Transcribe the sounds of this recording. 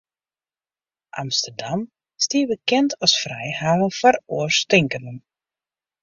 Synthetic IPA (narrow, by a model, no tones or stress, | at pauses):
ʔa̰mstərdam | stiəbəkɛntʰɔsfrɛjhaːvənfɔɾoərstɪŋkənən